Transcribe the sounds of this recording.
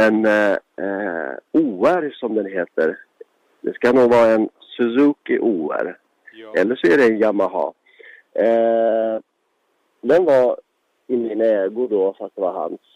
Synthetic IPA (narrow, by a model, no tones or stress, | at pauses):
ɛn | uːæɾsɔmd̪ɛnɦeːt̪əɾ | d̪ɛskanuːɡvɑːɾaɛn | sɛzukɪʔuːæ̰ɾ | ɛlːəʂɔæɖɛɛnjamːaɦɑ̰ː | d̪ɛnvaɾ | ɪmːɪnaɛːɡʊd̪ɔfɾak̪̚d̪ɛvaɾɦa̰ns